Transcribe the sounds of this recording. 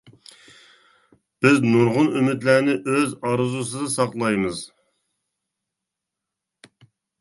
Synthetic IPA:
b̥ɪznuɾʁʊnymɪt̪læɾnɪʔøzɑɾzus̬ɨd̪ɨsɑqlˠɑjmɨz

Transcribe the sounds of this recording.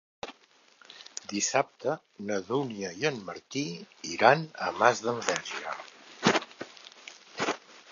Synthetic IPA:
d̪isap̚t̪ə | nəðuniəjənməɾt̪iiɾanə̰mazðəmvɛʒiə̰

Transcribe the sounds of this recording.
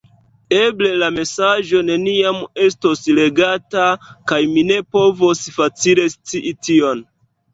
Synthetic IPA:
eble̞lame̞sad͡ʒo̞ne̞niame̞stosle̞ɡatakajmine̞po̞vosfat͡sile̞st͡siʔitio̞n

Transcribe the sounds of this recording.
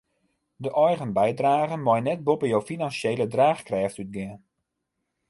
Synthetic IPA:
dəʔɔjɣənbɛjdraːɣənmɔjnɛt̚bopəjowfinansjeːlədraːχkrɛːftyt̚ɡɪən

